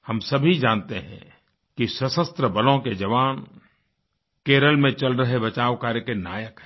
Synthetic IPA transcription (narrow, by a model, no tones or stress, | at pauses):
hɐmsɐbʱid͡ʒãːnt̪eɦɛ̰̃ | kisəsəst̪ɾəbɐlõked͡ʒɐʋaːn | keːɾəlmẽt͡ʃɐlɾɐɦebɐt͡ʃaːʋkaːɾekenaːjəkɦɛ̥